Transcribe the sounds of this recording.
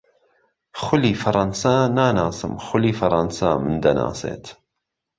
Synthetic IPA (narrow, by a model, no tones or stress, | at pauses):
xʊliːfɐɾˤɑnsaːnaːnaːsɨ̰mxʊliːfɐɾˤɑnsaːmɨnd̪ɐna̰ːsḛːt̪